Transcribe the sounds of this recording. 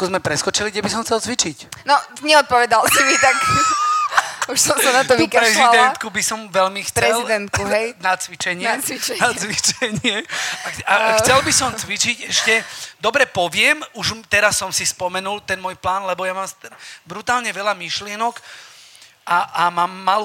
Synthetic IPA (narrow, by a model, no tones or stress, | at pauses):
kɔzmɛpɾɛskɔt͡ʃiliɡdɛbis̬ɔmxt͡sɛlt͡sʋit͡ʃicnɔɲɛɔt̪̚pɔʋɛd̪alsimit̪ak | uʃsɔmsanaɔʋikɾɛziald̪ɛnt̪kubisɔmʋɛʎmixt͡sɾɛzlid̪ɛnt̪̚kuɦɛjnat͡sʋit͡ʃɛɲɪɛt͡sʋit͡ʃɲnat͡sʋit͡ʃɛɲɪɛaaxt͡sɛlbisɔmt͡sʋit͡ʃicɛʃcɛd̪ɔbɾɛpɔʋɪɛmuʒt̪ɛɾasːɔmsispɔmɛnult̪ɛnmɔːjplaːnlɛbɔjamaːmst̪bɾut̪aːlɲɛʋɛlamiʃlɪɛnɔk | ʔaamaːmːalu